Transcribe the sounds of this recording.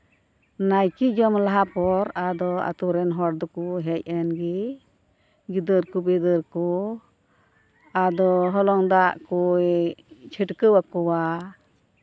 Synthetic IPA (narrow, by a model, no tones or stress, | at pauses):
najkid͡ʒɔmlaɦapɔɾad̪ɔa̰t̪uɾɛnɦɔɾd̪ɔkuɦɛc̚ɛnɡi | ɡid̪əɾkubɛd̪əɾkɔ | ad̪ɔɦɔlɔŋd̪aʔkujt͡ʃʰəʈkəwakɔwa